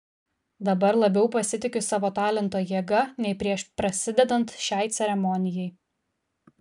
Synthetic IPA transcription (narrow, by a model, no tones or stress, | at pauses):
d̪ɐbɐɾlˠɐbʲɛʊpɐsʲɪt̪ʲɪkʲʊsɑːʋoːt̪ɑːlʲɛnt̪oːjiɛɡɐnʲɛɪpʲɾʲiɛʃpɾɐsʲɪd̪ʲɛd̪ɐnt̪ʃʲæˑɪt̪sʲɛɾʲɛmɔnʲɪjɛɪ